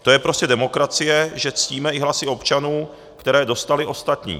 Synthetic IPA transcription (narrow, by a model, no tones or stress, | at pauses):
t̪o̞jɛpɾoscɛdɛmo̞kɾat͡sɪjɛʒɛt͡sciːmɛɪɦlasɪo̞pt͡ʃanuː | kt̪ɛɾɛːdo̞st̪alɪʔo̞st̪at̪ɲḭː